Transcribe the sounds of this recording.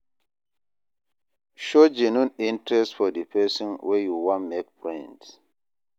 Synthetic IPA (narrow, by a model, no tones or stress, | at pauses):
ʃod͡ʒenũnĩntɾɛstfɔdipʰɛsɔ̃nwʔejuwãnmek̚pɹɛ̃nds